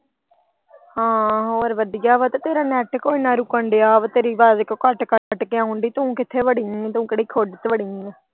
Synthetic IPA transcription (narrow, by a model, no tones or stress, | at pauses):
hãːɦoːɾʋəd̪ɪjaːʋət̪ːt̪eːɾaːnɛːʈkoːiːnãːɾʊkːəɳɖejaːʋət̪eːɾiːbaːd̪kkəʈkəəʈːkɪãːɦʊ̃ɳɖiːt̪ʊũːkɪt̪ʰːeːʋəɽiŋːt̪ũːkəɽiːkʰoɖt̪ʋəɽi